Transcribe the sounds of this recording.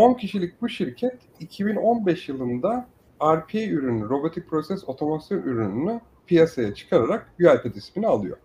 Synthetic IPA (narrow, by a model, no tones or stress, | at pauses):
o̞ncʰiʃilʲic̚buʃiɾcʰɛt̪ | icʰibino̞nbɛʃjɯlˠɯnd̪a | aɾpʰeyɾynyɾo̞bo̞t̪ʰic̚pʰɾo̞sɛso̞t̪ʰo̞masjonʔyɾynyny | pʰijasajat͡ʃʰɯ̥kʰaɾaɾak̚byalʲpʰɛd̪ispinialˠɯ̰jo̞̰